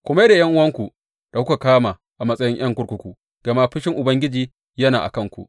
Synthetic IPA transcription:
kʷʊ˦ma˦jda˨jɐ˦ŋʔʊ˦wɐ˦ŋkʷu˨ | d̥a˨kʷʊ˦ka˨kaː˦maː˨ | ʔa˨mɐ˦sʼɐ˦jɪ˦ɲj̰ɐ˦ŋkʷʊ˦ɽkʷʊ˦kʷu˨ | ɡ̥ɐ˨ma˦ɸɪ˦ʃɪ˦ŋʔʊ˨bɐ˦ŋɡʲɪ˦d͡ʒiː˨ | jɐ˦naː˨ʔa̰˨kɐ˦ŋkʷṵ˨ʔ

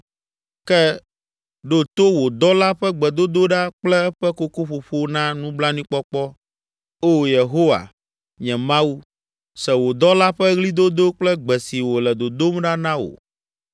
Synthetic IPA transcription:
kɛ˦ | ɖo˦t̪o˦wo˨d̪ɔ˦la˦ɸɛ˦ɡ͡bɛ˨d̪o˦d̪o˦ɖa˦k͡plɛ˦ɛ˦ɸɛ˦ko˦ko˦ɸo˨ɸo˦nã˦nũ˦bla˦nĩ˦k͡pɔ˦k͡pɔ˦ | o˦je˨ɦo˦wa̰˨ | ɲɛ̃˨mã˦wu˦ | sɛ˨wo˨d̪ɔ˦la˦ɸɛ˦ɣli˦d̪o˦d̪o˦k͡plɛ˦ɡ͡bɛ˨si˨wo˨lɛ˨d̪o˨d̪o˦mɖa˦nã˦wo̰˨

